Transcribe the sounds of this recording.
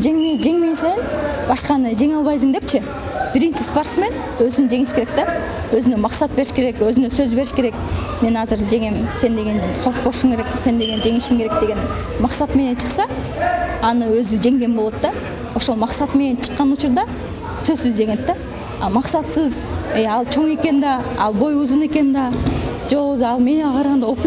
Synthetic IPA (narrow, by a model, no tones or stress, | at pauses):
d͡ʒe̞ŋmed͡ʒe̞ŋmensɑjɯn | bɑʃqɑnɯd͡ʒe̞ŋɑlˠβɑjsɯmd̪ep̚t͡ʃʰɪ | b̥iɾint͡ʃisport̪sme̞n | øzynd͡ʒe̞ŋiʃke̞ɾe̞k̚t̪a | øzynømɑqsɑt̪̚be̞ɾiʃke̞ɾe̞køzynøsøzbe̞ɾiʃke̞ɾe̞k | me̞nɑzɯɾd͡ʒe̞ŋemse̞nd̪e̞ɡe̞nqʰoɾq̚boʃuŋkʰe̞ɾe̞kse̞nd̪e̞ɡe̞nd͡ʒe̞ŋiʃimkʰe̞ɾek̚d̪e̞ɡe̞n | mɑqsɑt̪me̞ne̞nt͡ʃʰɨ̥qsɑ | ɑnɯøzyd͡ʒe̞ŋɡe̞nbolˠo̞t̪d̪ɑ | o̞ʃo̞lˠmɑqsɑt̪me̞ne̞nt͡ʃʰə̥qːɑnut͡ʃuɾd̪ɑ | søzsyzd͡ʒe̞ŋet̪ːɑ | ɑmɑqsɑt̪sɯzejɑlˠt͡ʃʰo̞ŋe̞ke̞nd̪ɑɑlˠbo̞juzune̞ke̞nd̪ɑd͡ʒeowuzɑlˠme̞nɑqʰɑɾʁɑnd̪ɑop